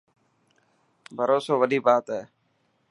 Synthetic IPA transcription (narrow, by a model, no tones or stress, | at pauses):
bʱəɾoːsoːʋəɗiːbaːt̪ɦɛː